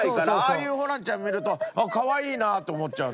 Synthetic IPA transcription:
ikaɾaaːjɯːhonãɲt͡ɕãmmʲːiɾɯ̟t̪o̞kaβaiːnat̪o̞ːmo̞t̚t͡ɕaɯ

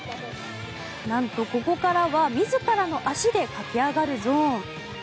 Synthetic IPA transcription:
nãnt̪o̞ko̞ko̞kaɾaβamʲizɨkaɾano̞ʔaɕid̪e̞kakʲiaɡaɾɯ̟zoː

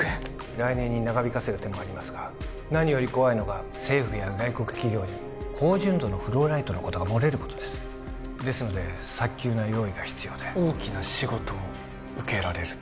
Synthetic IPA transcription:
e | ɾainẽ̞ɲ̟ːinaɡabʲikase̞ɾɯ̟t̪e̞moaɾʲimasɨɡa | naɲ̟ijo̞ɾʲiko̞βaino̞ɡa | se̞ːɸɯ̟jaɡaiko̞kɯ̟̥kʲiɡʲo̞ːɲ̟i | kʰo̞ːʑɨ̃nd̪o̞ːno̞ɸɯ̟ɾo̞ːɾait̪o̞no̞ko̞t̪oɡamo̞ɾe̞ɾɯ̟ko̞̥t̪o̥d̪e̞sɨ̥ | d̪e̞sɨno̞d̪e̞ | sakʲːɨːnajo̞ːiɡaçi̥t͡sɨjo̞ːd̪eoːkʲinaɕiɡo̞t̪o̞ː | ɯ̟ke̞ɾaɾe̞ɾɯ̟

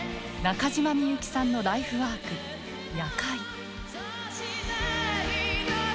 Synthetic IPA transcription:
nakaʑimamʲijɯ̟kʲi̥sãnːo̞d̪aiɸɯ̟βaːkɯ̟ | jakai

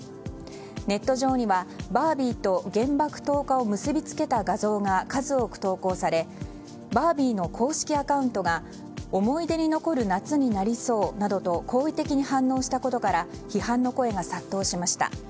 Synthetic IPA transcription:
ne̞t̪ːo̞ʑo̞ːɲ̟iβabaːbʲiːt̪o̞ɡẽ̞mbakɯ̟̥t̪o̞ːkao̞mɯ̟sɨbʲit͡sɨ̥ke̞t̪aɡazo̞ːŋakazɨo̞kɯ̟̥t̪o̞ːko̞ːsaɾe̞ | baːbʲiːno̞kʰo̞ːɕi̥kʲiakaɯ̟̃nt̪o̞ɡa | o̞mo̞id̪e̞ɲ̟ino̞ko̞ɾɯ̟nat͡sɨɲ̟inaɾʲiso̞ːnad̪o̞t̪o̞kʰo̞ːit̪e̞kʲiɲ̟ihãnːo̞ːɕi̥t̪ako̞t̪o̞kaɾa | çihãnːo̞ko̞e̞ɡasat̪ːo̞ːɕimaɕi̥t̪a̰

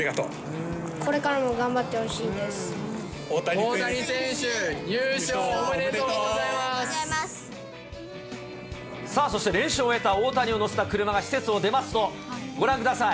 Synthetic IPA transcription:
iɡat̪o̰ː | kʰo̞ɾe̞kaɾamo̞ɡãmbat̪ːe̞hoɕiːnd̪e̞sɨ̥ | oːt̪aonaɾisẽɕɨɲɯːɕoomeɾet̪oːɡozaimamas | saːso̞ɕit̪e̞ɾẽ̞ɰ̃ɕɨoe̞t̪aoːt̪aɲʲio̞no̞set̪akɯ̟ɾɯ̟maɡaɕi̥se̞t͡sɨo̞d̪e̞masɨ̥t̪o̞ | ɡo̞ɾãŋkɯ̟d̪asai

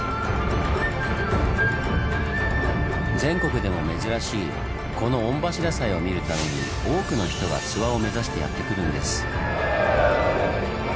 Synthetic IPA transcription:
d͡zẽ̞ŋko̞kɯ̟d̪e̞mo̞me̞zɨɾaɕiː | ko̞no̞õmbaɕiɾasaio̞mʲiɾɯ̟t̪ame̞ɲ̟ḭ | o̞ːkɯ̟no̞çi̥t̪o̞ɡa̰t͡sɨβao̞me̞zaɕi̥t̪e̞ja̰t̪ːe̞kɯ̟ɾɯ̟̃nd̪e̞̰sɨ̥

